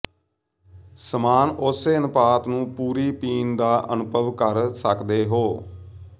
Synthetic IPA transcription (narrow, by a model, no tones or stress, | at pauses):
səmaːnʊseːənəpaːt̪nũːpuːɾiːpiːnd̪aːʔə̰nʊpəʋkəɾsəkd̪eːɦoː